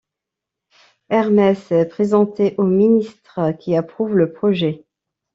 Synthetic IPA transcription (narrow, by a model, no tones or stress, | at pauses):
ɛʁmɛsɛpχezɑ̃t̪eʔominist̪χəkʲiapχuvləpχɔʒɛ